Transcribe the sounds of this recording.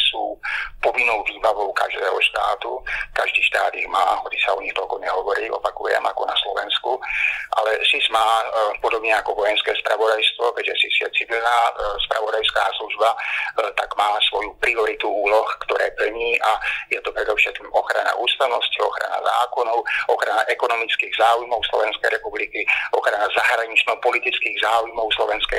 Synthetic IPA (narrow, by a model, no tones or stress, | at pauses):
suːpɔʋinːɔʊʋiːbaʋɔʊka̰ʒd̪ɛːɦɔʃt̪a̰ːt̪ukaʒd̪iːʃt̪aːd̪iɣma̰ːɦɔt͡si̥saɔɲixt̪ɔlkɔɲɛɦɔʋɔɾiːʔɔpakujɛ̰mʔakɔnaslɔʋɛ̰nskuʔa̰lɛsismaːpɔd̪ɔbɲɛakɔʋɔjɛnskɛːspɾa̰ʋɔd̪ajst̪ʋɔkɛɟʒɛsisɪjɛt͡siʋilnaːspɾa̰ʋɔd̪ajskaːsluʒbat̪aɡmaːsʋɔjupɾiɔɾit̪uuːlɔxkt̪ɔɾɛːpl̩ɲiːʔajɛt̪ɔpɾɛd̪ɔʊʃɛt̪̚kimɔxɾa̰na̰ʔuːst̪aʊnɔsciɔxɾa̰na̰za̰ːkɔnɔʊʔɔxɾanaʔɛkɔnɔmit͡skiːɣzaːujmɔʊslɔ̰ʋɛnskɛjɾɛpublikiɔxɾanazaɦɾaɲit͡ʃnɔpɔlit̪it͡skiːɣzaːujmɔʊslɔʋɛnskɛ